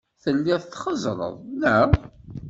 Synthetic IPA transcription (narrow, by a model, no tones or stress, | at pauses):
θəlːiθθχəzˤɾˤə̰ðˤlæ